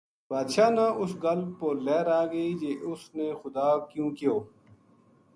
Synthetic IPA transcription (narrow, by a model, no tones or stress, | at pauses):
baːd̪ʃaːnãʔʊsɡɐlpoleːɾaːɡɐid͡ʒeːʔʊsneːxʊd̪aːkjũːkijoː